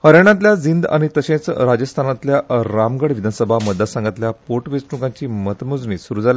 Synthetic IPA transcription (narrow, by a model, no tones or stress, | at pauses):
həɾjaɳ̃ãt̪ljad͡zind̪a̰ɽ̃it̪əɕẽt͡sɾad͡ʑəst̪ʰanat̪ljaɾamɡəɽʋid̪ʱanəsəbʱaməd̪ʱːasãŋɡat̪ljapoʈʋet͡sʈukaɲt͡ɕiːmət̪mud͡zɳiːsuɾud͡zal